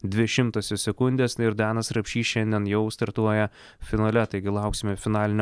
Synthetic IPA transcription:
d̪ʲʋʲɪʃʲɪmt̪oːsʲɪsʲɛkʊnʲd̪ʲeːsɪɾd̪ɑːnɐsɾɐpʲʃʲiːʃʲɛnʲd̪ʲiɛnjɛʊst̪ɐɾt̪uɔjɛ | fʲɪnoːlʲɛt̪ɐɪɡʲɪlˠɑˑʊksʲɪmʲɛfʲɪnɑːlʲɪnʲ

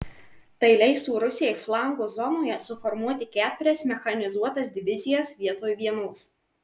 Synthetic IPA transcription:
t̪ɐɪlʲɛɪst̪uːɾʊsʲɪjɛɪflˠɑˑŋɡoːzɔnoːjɛsʊfɔɾmuɔt̪ʲɪkʲæːt̪ʊɾʲɛsmʲɛxɐnʲɪzuɔt̪ɐsʲd̪ʲɪʋʲɪzʲɪjɛsʋʲiɛt̪oːjʋʲiɛnoːs

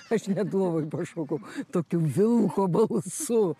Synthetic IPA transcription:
ɐʃnʲɛdlˠoːʋojpɐʃoːkɐʊt̪oːkʲʊʋʲɪlˠkobɐlˠsʊ

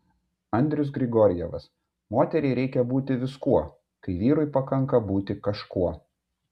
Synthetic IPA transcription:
ɐnʲd̪ʲɾʲʊs̬ɡɾʲɪɡɔɾʲɪjɛ̰ʋɐs | moːt̪ʲɛɾʲɛɪɾʲɛɪkʲɛbuːt̪ʲɪʋʲɪskuɔ | kɐɪʋʲiːɾʊɪpɐkɐŋˑkɐbuːt̪ʲɪkɐʃkuɔ

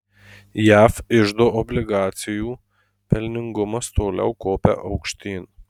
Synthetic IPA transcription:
jæːfɪʒd̪oːʔɔbʲlʲɪɡɑːt̪sʲɪjuː | pʲɛlʲnʲɪŋɡʊmɐst̪oːlʲɛ̰ʊkoːpʲɛ̰ʔɐʊkʃʲt̪ʲiːn

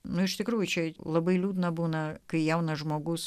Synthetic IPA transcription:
nʊɪʃt̪ʲɪkɾuːjʊt͡ʃʲɛlˠɐbɐɪlʲuːd̪nɐbuːnɐkɐɪjɛʊnɐʒmoːɡʊs

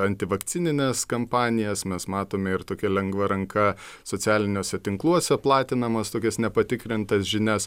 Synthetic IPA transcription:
ɐnʲt̪ʲɪʋɐkt͡s̪ʲɪnʲɪnʲɛskɐmpɑːnʲɪjɛsmʲɛsmɑːt̪oːmʲɛɪɾt̪oːkʲɛlʲɛŋɡʋɐɾɐŋkɐsoːt͡s̪ʲæːlʲɪnʲoːsʲɛt̪ʲɪŋklˠuɔsʲɛplˠɑːt̪ʲɪnɐmɐst̪oːkʲɛsnʲɛpɐt̪ʲɪkɾʲɪnt̪ɐsʒʲɪnʲɛs

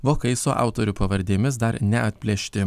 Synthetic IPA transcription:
ʋoːkɐɪsoːʔɑ̰ˑʊt̪oːɾʲʊpɐʋɐɾʲd̪ʲeːmʲɪsd̪ɐɾnʲɛɐt̪ʲpʲlʲɛʃʲt̪ʲɪ

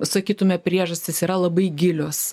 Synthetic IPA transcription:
sɐkʲiːt̪ʊmʲɛpʲɾʲiɛʒɐsʲt̪ʲɪsiːɾɐlˠɐbɐɪɡʲɪlʲoːs

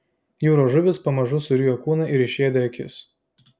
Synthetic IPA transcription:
juːɾoːʒʊʋʲɪspɐmɐʒʊsʊɾʲiːjoːkuːnɐʔɪɾɪʃʲeːd̪ʲɛɐkʲɪ̰s

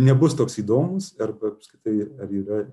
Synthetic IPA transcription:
nʲɛbʊst̪oːksiːd̪oːmʊsɐrbɐpɐskɪt̪ɐɪɐɾiːɾɐ

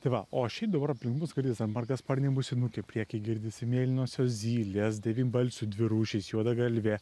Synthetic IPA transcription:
t̪ɐɪʋɐʔoːʃʲɛɪpd̪ɐbɐɾɐpʲlʲɪ̃ŋkbʊsɡɐlʲd̪ʲiːsd̪ɐnmɐrɡɐspɐrʲnʲɛbʊsʲɪnuːkʲɛpʲɾʲiɛkʲɐɪɡʲɪɾʲd̪ʲɪsʲɪmʲeːlʲɪnʲoːsʲoːzʲiːlʲeːs̬d̪ʲɛʋʲiːnʲbɐlʲsʲʊd̪ʲʋʲɪɾuːʃʲɛɪsjuɔd̪ɐɡɐlʲʋʲe

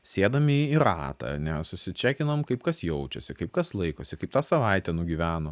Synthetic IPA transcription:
sʲeːd̪ɐmʲɪiiɾɑ̰ːt̪ɑ̰nʲɛsʊsʲɪt͡ʃʲæːkʲɪnɐmkɐɪpkɐsjɛʊt͡ʃʲɛsʲɪkɐɪp̚kɐslˠɐɪkoːsʲɪkɐɪp̚t̪ɑːsɐʋɐɪt̪ʲɛnʊɡʲiʋʲæːnoː

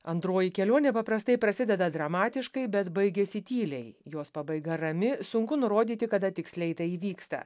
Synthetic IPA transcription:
ɐnd̪ɾoːjikʲɛlʲoɔnʲɛpɐpɾɐst̪ɐɪpɾɐsʲɪd̪ʲɛd̪ɐd̪ɾɐmɑːt̪ʲɪʃkɐɪbʲɛt̪bɐɪɡʲɛsʲɪt̪ʲiːlʲɛɪjoːspɐbɐɪɡɐɾɐmʲɪsʊŋkʊnʊɾoːd̪ʲiːt̪ʲɪkɐd̪ɐt̪ʲɪksʲlʲɛɪt̪ɐiːʋʲiːkst̪ɐ̰

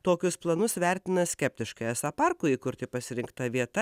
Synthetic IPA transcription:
t̪oːkʲʊsplˠɐnʊsʋʲɛɾʲt̪ʲɪnɐsʲkʲɛpʲt̪ʲɪʃkɐɪɛsɐpɐrkʊiːkʊɾʲt̪ʲɪpɐsʲɪɾʲɪŋkt̪ɐʋʲiɛt̪ɐ

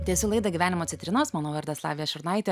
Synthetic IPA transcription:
t̪ʲiɛsʲʊlˠɐɪd̪ɐɡʲiːʋʲæːnʲɪmoːt̪sʲɪnt̪ʲɾʲɪnoːsmɑːnoːʋɐɾd̪ɐslˠɑ̰ːʋʲɪjɛʃʲʊɾnɑɪt̪ʲe

